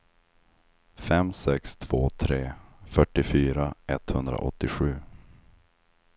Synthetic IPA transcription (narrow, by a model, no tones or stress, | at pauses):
fɛmsɛkst̪ʰv̥oːt̪ʰɾeːfœʈːɪfyːɾaɛt̪hɵnd̪ɾa̰ʔɔ̰t̪ːɪɧʉ̟ː